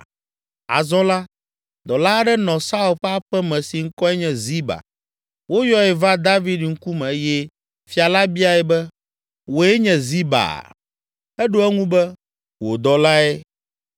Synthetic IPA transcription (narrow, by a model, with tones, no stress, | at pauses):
a̰˨zɔ̃˦la˦ | d̪ɔ˨la˦ɖɛ˦nɔ̃˨sa˦u˨lɸɛ˦a˦ɸɛ˦mɛ̃˨si˨ŋ̩˦kɔ˦ɛ˦ɲɛ̃˨zi˦ba̰˨ | wo˦jɔ˦ɛ˨va˦d̪a˦vi˦dŋ̩˦ku˦mɛ̃˨e˦jɛ˦ | fi˦a˨la˦bi˦a˨ɛ˨bɛ˦ | wo˨ɛ˦ɲɛ̃˨zi˦ba̰˨ | ɛ˦ɖo˦ɛ˦ŋũ˦bɛ˦ | wo˨d̪ɔ˨la˦ɛ˦